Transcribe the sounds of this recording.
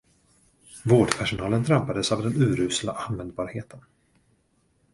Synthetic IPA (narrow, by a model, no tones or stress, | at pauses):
voːɖpʰæʂʊnɑːlənd̪ɾampad̪əsavd̪ɛnʉ̟ːɾʉ̟ːslaʔanvɛnd̪̚bɑːɾheːt̪ʰən